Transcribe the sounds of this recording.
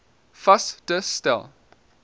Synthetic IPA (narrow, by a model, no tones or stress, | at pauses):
fasdəstɛ̰lˠ